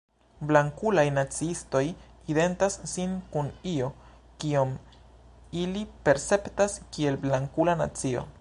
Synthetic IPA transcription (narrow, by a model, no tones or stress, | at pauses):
blaŋkulajnat͡siisto̞jide̞ntasːinkunio̞ | kiom | ilipe̞ɾse̞ptaskie̞lblaŋkulana̰t͡sio̞̰